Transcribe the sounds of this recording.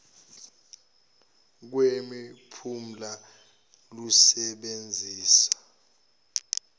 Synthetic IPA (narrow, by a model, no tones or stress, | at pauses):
k̬wemipʰum̩la | lusɛɓend͡zʱiːsḁ